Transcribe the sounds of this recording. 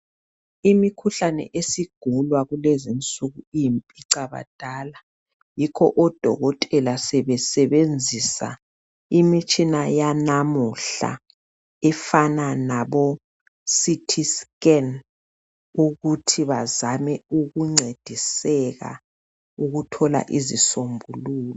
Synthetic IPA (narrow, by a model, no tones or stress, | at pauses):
imikʰuɬanɛ̰ʔesiɡ̥ʱulwaɣulezint͡sʼuɣuijimpʼiǀaβa̰d̥ʱaːla | jikʰɔ̰ʔɔd̥ʱɔ̰ɣɔtʼɛlasɛβɛsɛβend͡zʱisa̰ | imit͡ʃʼinajanamuɬa̰ | ɛfananaβo | sitʰiskɛn | uɣutʰiβazamɛuɣuŋ͡ǀʱed̥ʱisɛɣa̰ | uɣutʰɔla̰ʔizisombʱuluːlɔ